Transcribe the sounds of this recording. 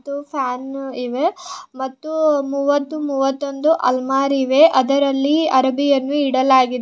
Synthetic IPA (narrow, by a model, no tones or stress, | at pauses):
t̪ːupʰaːniʋemɐt̪ːumuːʋɐt̪ːumuːʋɐt̪ːo̞nd̪uʔɐ̰lmaːɾiʋeʔɐd̪ɐɾɐlːiɐɾbijɐnːuiɽɐlaːɡid̪e